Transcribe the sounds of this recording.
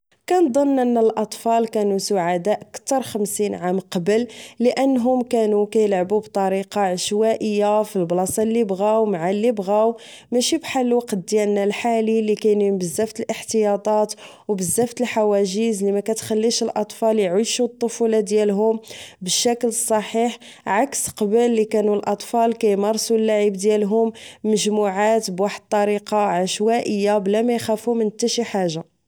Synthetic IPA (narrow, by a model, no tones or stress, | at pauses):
kænd̪ˤənːʔənːəlʔɑt̪ˤfɑlkænusʊʕad̪æʔəkt̪ɑɾˤxəmsinʕamqɑbəlːəʔənːɦʊmkænukæjəlʕbubt̪ˤɑɾiqɑʕəʃwæʔəjːafilblɑsˤɑlːibɣæwmaʕalːibɣæw | mæʃibħalːwɑqt̪̚d̪jælnælħalilikæjnimbəzːæft̪əlʔəħt̪əjɑt̪ˤɑt̪ | wbəzːæft̪əlħawæʒəzlimækæt̪xælːiʃəlʔɑt̪ˤfɑljʕiʃut̪ˤːofulɑd̪jælɦʊmbəʃːækləsˤːɑħiħ | ʕaksqɑbəlːikænulʔɑt̪ˤfɑlkæjmɑɾˤsulːaʕibd̪jælɦʊmːəʒmuʕat̪bwaħəd̪̚t̪ːˤɑɾiqɑʕaʃwæʔəjːablæmæjxæfumənət̪ːæʃiħaʒːa